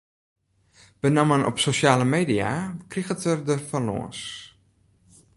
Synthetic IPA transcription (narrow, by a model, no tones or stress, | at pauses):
b̥ənamənɔ̰psoʃjaːləmeːdia̰kriɣətərdəfalɔ̰ːəns